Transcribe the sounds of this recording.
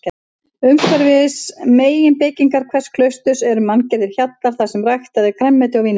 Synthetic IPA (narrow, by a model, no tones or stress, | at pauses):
ʏmkʰvɛɾvɪsmeːjɪnpɪːciŋkaɾ̥kʰv̥ɛskʰlœɥst̪ʏsɛɾʏmancɛɾðɪɾ̥çat̪laɾ̥θasɛmrajxt̪aðɪkʰɾɛmːɛt̪ɪawviːn